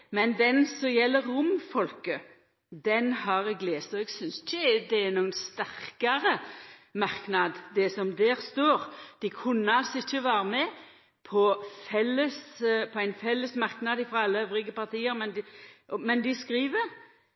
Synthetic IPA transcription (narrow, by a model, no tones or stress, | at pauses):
mɛnd̪ɛnsɔmjɛlːəɾːʊmfɔlkə | d̪ɛnhɑɾɛɡleːst̪ɔɛɡsʏnsɪçəd̪ɛɛɾnuːənst̪æʁkɑɾəmɑɾknɑd̪d̪ɛsɔmd̪eːɾst̪oːɾd̪̥ɪkʰʉnːəɑlsɪçːəʋɑːɾəmɛ | pʰɔfɛlːəspʰɔæɪnfɛlːəsmɑɾknɑd̪ɪfɾɑɑlːəøʋɾɪɡəpɑɾt̪ʰiːəɾmɛnd̪mɛnd̪ɪskɾiːʋəɾ